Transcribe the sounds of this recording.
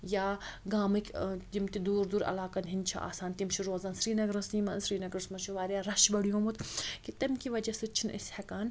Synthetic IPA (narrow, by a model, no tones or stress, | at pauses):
jaːɡaːmɨkʲd͡ʒimt̪id̪uːɾd̪uɾɐ̰laːkɐnɦinʲt͡ʃʰɐ̰ʔa̰ːsaːnt̪imt͡ʃʰiɾoːzaːnsɾiːnɐɡɾɐsniːmɐnsɾiːnɐɡɾɐsmɐt͡ʃʰiʋaːɾijaɾɐʃbɐɽijõːmut̪kit̪ɐmkiʋɐd͡ʒɐsɨt͡ʃʰinḭshɛkaːn